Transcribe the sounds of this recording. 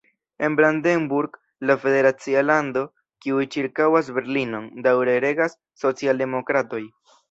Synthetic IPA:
e̞nbɾandenbuɾɡ | lafe̞de̞ɾat͡sialando̞ | kiujt͡ʃiɾkawas̬be̞ɾlino̞ndawɾe̞ɾe̞ɡasːo̞t͡sialde̞mo̞kɾato̞j

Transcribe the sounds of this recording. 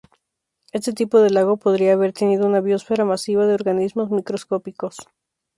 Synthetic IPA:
e̞st̪et̪ipo̞ðe̞laɣ̞o̞po̞ðɾiaːβe̞ɾt̪e̞niðounaβjo̞sfe̞ɾamasiβaðeoɾɣanizmo̞zmikɾo̞sko̞piko̞s

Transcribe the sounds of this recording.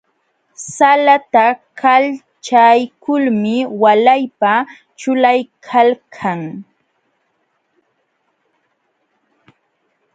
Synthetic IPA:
salat̪akʰal | t͡ʃajkʊlmɪwalajpa | t͡ʃʊlajkʰalkʰaŋ

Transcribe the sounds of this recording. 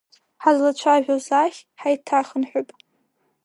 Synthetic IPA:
ħazlat͡ʃʷʰaʒᶣozaχʲħajtʰaχənħʷʊpʼ

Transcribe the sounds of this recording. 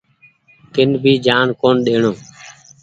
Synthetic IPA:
t̪ɪnbʱiːd͡ʒaːnkoːnɗeːɳoː

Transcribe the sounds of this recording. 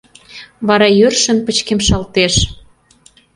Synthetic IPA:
βɑɾɑjørʃə̆npət͡ɕkemʃɑlt̪eʃ

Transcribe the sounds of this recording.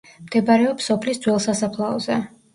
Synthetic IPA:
md̪̥ɛbaɾɛɔpsːɔpʰlisd̪zwɛlˠsasapʰlˠaɔzɛ

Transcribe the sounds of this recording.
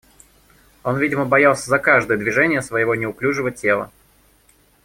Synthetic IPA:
o̞nvʲidʲɪməbɐjalˠsʲəzɐkaʐd̪əjəd̪vʲɪʐɛnʲɪjəsvəjɪvo̞nʲɪʊklʲuʐɨvətʲe̞lˠə̰

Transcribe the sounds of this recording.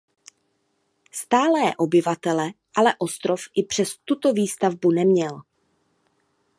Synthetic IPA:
st̪aːlɛːʔo̞bɪvat̪ɛlɛʔalɛʔo̞st̪ɾo̞fʔɪpr̥ɛst̪ut̪o̞viːst̪avbunɛmɲɛl

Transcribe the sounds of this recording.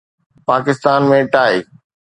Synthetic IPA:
paːkɪst̪aːnmẽʈaːeː

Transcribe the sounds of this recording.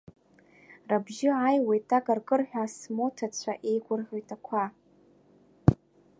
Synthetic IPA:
rabʒɪʕajwejtʰʼakʼarɡʼɨrħʷᶣasmotʰat͡ɕʷʰaʔe̞jɡʷʊrħʷᶣojtʰakʷʰa

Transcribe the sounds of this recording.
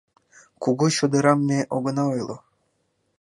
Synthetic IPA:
kuɣuɕod̪ɤ̆ɾɑmːeʔoɣə̆nɑojlˠo

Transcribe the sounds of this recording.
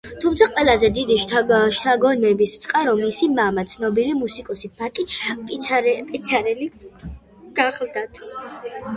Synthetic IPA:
t̪ʰumt̪sʰaqʼwɛlˠazɛd̪id̪iʃʃt̪ʰaɡɔnɛbist̪sʼqʼaɾɔmːisimamat̪sʰnɔbilimusikʼɔsipʰakʼipʼpʼit̪sʰaɾɛli | ɡ̥aχlˠd̪at̪ʰ

